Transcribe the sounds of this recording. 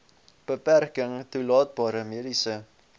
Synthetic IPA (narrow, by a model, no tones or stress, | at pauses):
b̥əpærkəŋtulɑːt̚bɑːɾəmeədisə